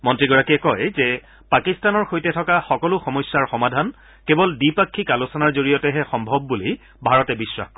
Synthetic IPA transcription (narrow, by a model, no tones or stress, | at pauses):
mɔntɹiɡɔɹakiɛkɔjzɛ | pakistanɔɹxojtɛtʰɔkaxɔkɔlʊxɔmɔjsːaɹxɔmadʱan | kebɔldipakʰːikalusɔnaɹzoɹijɔtɛɦɛxɔmbʱɔb̚ːuli | bʱaɹɔtɛbisːwa̰